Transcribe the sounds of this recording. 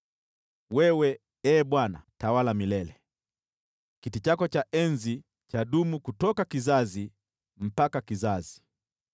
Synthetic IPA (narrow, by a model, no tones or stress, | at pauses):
wɛwɛ | ɛːɓwana̰tawalamilɛlɛ | kitit͡ʃakɔt͡ʃaʔɛnzi | t͡ʃaɗumukutɔkakizazi | m̩pakakizazi̥